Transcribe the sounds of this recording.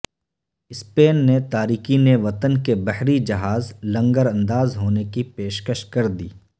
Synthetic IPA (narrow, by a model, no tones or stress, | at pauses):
ɪspeːnːet̪aːɾiːkineʋɐt̪ənkebɐɦɾid͡ʒɐɦaːzlɐ̃ŋɡəɾɐ̃nd̪aːzɦoːnekipeːʃkəʃkɐɾd̪iː